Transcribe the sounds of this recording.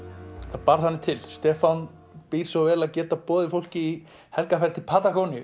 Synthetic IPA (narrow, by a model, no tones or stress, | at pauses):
θaðpaɾ̥θhanːɪt̪ʰɪlst̪ɛːfan | piɾ̥svɔvɛːlaðcɛːt̪apɔːðɪfowl̥cɪi | hɛlkafɛɾ̥t̪ʰɪlpʰaːt̪akownɪjʏ